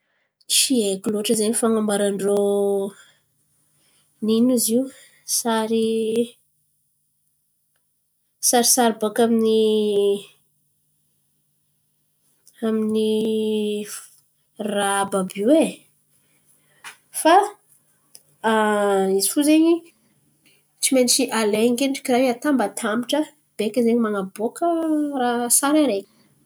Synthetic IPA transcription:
t͡siekiloʈ͡ʂəzeɲifaŋambaɾaɳɖ͡ʐo | ninuziu | saɾi | saɾisaɾibakamini | amini | rababiwe | fa | izifuzeɲi | t͡simenit͡ʃiʔaleŋɡeʈ͡ʂi̥kirajat̪ambat̪ʰamiʈ͡ʂə | b̥ekəzeɲimanabokərasaɾaɾeɲə̥

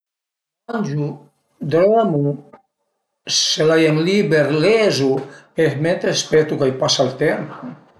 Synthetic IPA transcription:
anʲd͡ʒu | d̪ɾoamu | selajenlibeɾlezuezment̪ɾespɛt̪ukajpasalt̪emp

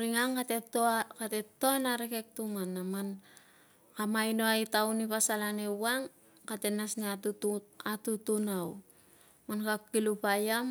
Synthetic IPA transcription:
ɾiŋaŋkatetokate̞toanaɾekek̚tumanːaman | kamajnoajtaunipasalanewaŋ | kate̞nasniatuatutunaw | mankakːilupajam

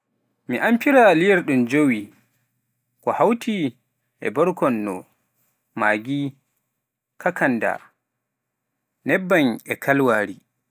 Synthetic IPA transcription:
miʔampiɾalijɛɾɗumd͡ʒowi | kɔhawtʰi | ʔɛ̰bɔɾkɔnːɔ̰ | maːɡi | kʰakanda̰ | nɛbːanɛkʰalwaːɾi

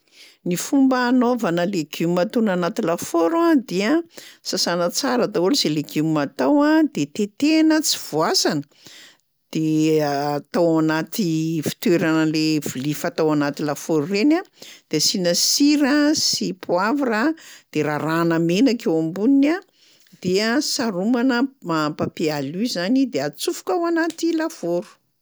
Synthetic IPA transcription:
nifumbaːnovanəleɡ̥ummat̪unanat̪ilafoɾad̪eəsasanət͡saɾət̪aoluzeleɡumat̪awad̪̥et̪et̪enət͡si̥v̥uasanə | d̪̥eat̪awanat̪ifi̥t̪weɾanəlev̥ulifat̪awanat̪ilafoɾurenad̪̥esinasiɾasipʰuavaɾad̪̥eɾaɾanəmenakewambunina | d̪̥easaɾumanəmaampapializanid̪eat͡sufu̥kawanat̪ilafoɾu̥

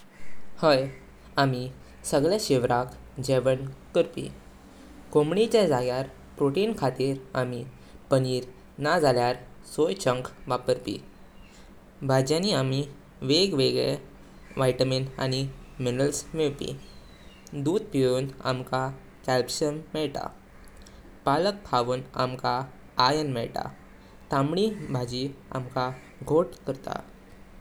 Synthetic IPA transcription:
həj | ami | səɡɭjaɕiʋɾak | d͡ʑeʋəɳkəɾpḭ | komɳit͡ɕad͡zaɡjaɾ | pɾoʈiːnkʰat̪iːɾami | pəniːɾ | nad͡zʱaljaɾsojt͡ɕə̃ŋkʋapəɾpḭ | bʱad͡ʑjãniami | ʋeɡʋeɡɭɛ̰ | ʋajʈəmina̰niminəlsmeɭpḭ | d̪ud̪̚piɭuːna̰mka | kɛlbɕənmɛɭʈ̪a̰ | palək̚pʰaʋuːna̰mkaː | jənmɛ̰ɭʈa̰ | t̪amɽibʱad͡ʑia̰mka | ɡʱoʈkəɾt̪a̰

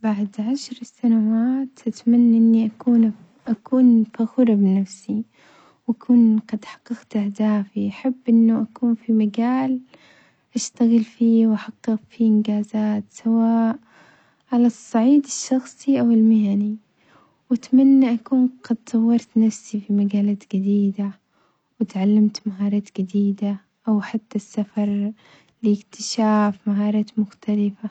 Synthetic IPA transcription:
baʕd̪ʕaʃɾˤsanawaːt̪ʔat̪manːaʔɪnːiʔakuːn | ʔakuːnfaxʊɾˤbɪnafsi | wʔakʰuːnqɑd̪ħɑ̥qːɑɡt̪ʔahd̪aːfiʔaħabːʔɪnːaʔakuːnfimaɡaːl | ʔaʃt̪aɣɪlfiːwʔaħɑqːɨɣfiʔɪnɡaːzaːt̪sawaːʔ | ʕalasˤːɑʕiːd̪ɪʃːɑxsˤiʔawɪlmɪhani | wat̪manːaʔakuːnqɑd̪̚sˤɑwːɑɾˤt̪nafsifimaɡaːlaːt̪ɡad̪iːd̪a | wɪt̪ʕalːamt̪maɦɑːɾˤɑːt̪ɡad̪iːd̪a | ʔawħat̪ːasːafɑɾˤ | liɪkt̪ʰɪ̥ʃaːfmaɦɑːɾˤɑːt̪mʊxt̪ʰalɪfa

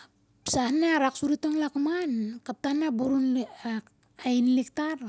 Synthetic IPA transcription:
psahnaɾaksuɾitoŋlakmankap̚tahnabuɾun | ainlik̚taɾ

